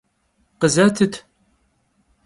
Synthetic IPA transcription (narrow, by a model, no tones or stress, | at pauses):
qəzat̪ʰɨt̪ʰ